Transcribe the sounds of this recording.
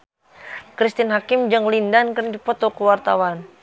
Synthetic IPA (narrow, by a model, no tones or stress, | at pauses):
kɾist̪inɦakimd͡ʒɨŋlindankərndipɔt̪ɔkuwart̪a̰wan